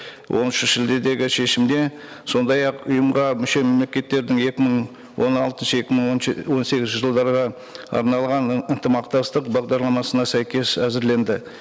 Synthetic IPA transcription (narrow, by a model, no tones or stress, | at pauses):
wʔo̞nʏʃʒɪld̪e̞d̪e̞ɡʲɪʃe̞ʃɪmd̪e̞ | so̞nd̪ɑjɑqʊ̰jəmʁɑmʏʃe̞me̞mle̞kʲe̞t̪ːe̞ɾd̪ɪŋe̞kʲɪməɴ | wʔo̞nɑlˠt̪ənʃəe̞kʲɪməɴwo̞nse̞ɡʲɪzʒəlˠd̪ɑɾʁɑ | ɑ̰ɾnɑlˠʁɑnənt̪əmɑqt̪ɑst̪əqbɑʁd̪ɑɾlˠɑmɑsənɑsæjkʲe̞sæzɪɾle̞nd̪ɪ